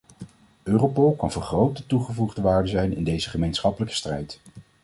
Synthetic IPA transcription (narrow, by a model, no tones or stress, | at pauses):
øːropɔlˠkɑ̰nvərχrowtətuχəvuχdəʋaːɹdəzɛjnɪ̰ndejzəχəmejnsχɑpələkə̥strɛjt